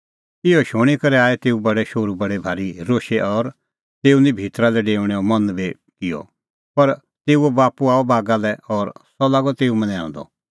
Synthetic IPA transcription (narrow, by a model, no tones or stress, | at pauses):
ɪɔʃoːɽ̃ikɐɾɛaːɛt̪eːubɐɽɛʃoːɾubɐɽebʱaːɾiɾoːʃeʔɔːɾ | t̪eːunĩbʱiːt̪ɾalɛɖeːʋɽ̃ɛɔmɐ̃nbe | kɪjɔ̰ | pɐɾ | t̪eːuɛbaːpuaːɔbʱaːɡalɛɔːɾsɔlaːɡɔt̪eːumɐ̃nɛã̰ːnd̪ɔ̰